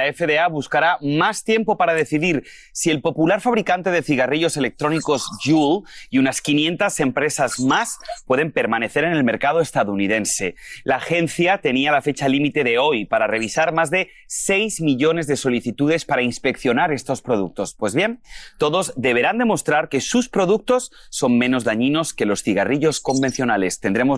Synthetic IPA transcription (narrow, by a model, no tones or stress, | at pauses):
laefeðeaβuskaɾamast̪je̞mpo̞paɾaðe̞θiðiɾ | sie̞lpo̞pulaɾfaβɾikant̪e̞ð̞e̞θiɣ̞ariʎo̞se̞le̞k̚t̪ɾo̞niko̞zʝuliunaskinje̞nt̪ase̞mpɾe̞sazmaspwe̞ðe̞mpe̞ɾmane̞θe̞ɾene̞lme̞ɾkað̞o̞e̞st̪aðuunið̞e̞nse̞laːxe̞nθjat̪e̞nialafe̞t͡ʃalimit̪e̞ðe̞o̞jpaɾare̞β̞isaɾmazðe̞ | se̞jzmiʎo̞ne̞zðe̞so̞liθit̪uð̞e̞spaɾainspe̞kθjo̞naɾe̞st̪o̞spɾo̞ð̞uk̚t̪o̞spwe̞zβje̞nt̪o̞ðo̞zd̪e̞β̞e̞ɾand̪e̞mo̞st̪ɾaɾke̞suspɾo̞ðuk̚t̪o̞sː | o̞mmẽ̞no̞zðaɲĩno̞ske̞lo̞sθiɣariʎo̞sko̞mbe̞n̟θjo̞nale̞st̪e̞nd̪ɾe̞mo